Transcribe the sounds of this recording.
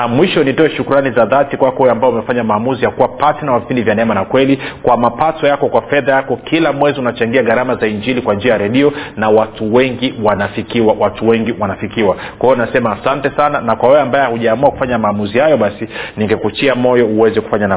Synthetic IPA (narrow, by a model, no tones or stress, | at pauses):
namwiʃɔnitɔɛʃukuɾanizaðatikwakɔhujɛambaɛumɛfaɲamaːmuzijakuwapasinamavipindivjanɛɛmanakwɛlikwamapatɔjakɔkwafɛðajakɔkʰilamwɛziunat͡ʃaŋɡiaɠaɾamazaiɲd͡ʒilikwand͡ʒiajaɾɛɗiɔnawatuwɛŋɡiwanafikiwawatuwɛŋɡiwanafikiwakwaiɔnasɛmaːsantɛsananakwawɛɛambajɛahuʄaːmuaku̥faɲamaːmuzihajɔɓasiniŋɡɛkut͡ʃiamɔjɔuwɛzɛku̥faɲana